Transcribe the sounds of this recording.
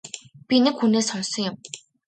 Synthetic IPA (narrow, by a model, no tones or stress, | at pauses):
pʲinɘ̆kxuneːsɔnsɞ̆ŋjʊm